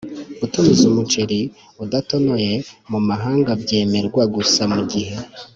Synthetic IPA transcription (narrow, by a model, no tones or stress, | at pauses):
utumizumut͡ʃe̞ɾi | udato̞no̞je̞mumaɦaːŋɡabɟe̞ːme̞ɾɡwaɡusamuɟihe̞